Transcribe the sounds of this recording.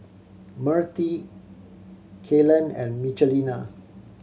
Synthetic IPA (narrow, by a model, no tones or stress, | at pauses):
məɹt̪i | kʰelə̃nɛ̰̃nmit͡ʃəlina